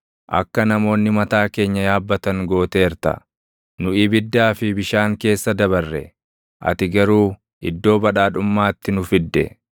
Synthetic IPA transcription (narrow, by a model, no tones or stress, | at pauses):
ʔɐ̰kːɐnɐmo̞ːnːɪmɐt̪aːke̞ːɲːɐjaːbːɐt̪ɐŋɡo̞ːt̪eːɪɾt̪ɐ̰ | nʊʔɪbɪd̪ːaːfɪbɪʃaːŋke̞ːsːɐd̪ɐβɐrːɛ̰ | ʔɐ̰t̪ɪɡɐɾuː | ʔɪd̪ːo̞ːbɐᶑaːᶑʊmːaːt̪ːɪnʊfɪd̪ːɛ̰